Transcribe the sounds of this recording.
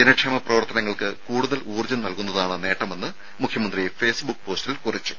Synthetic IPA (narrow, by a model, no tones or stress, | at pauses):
d̪inɐkʂɐmɐprɐʋɐrt̪ɐnɐŋːɐɭkɨkuːɽuðɐluːrud͡ʑɐnnɐlkunːɐðaːɳɨne̞ːʈːɐme̞nːɨ | mukʰjɐmɐnd̪rijefe̞ːsbukːpo̞ːstilkurit͡ɕːu̥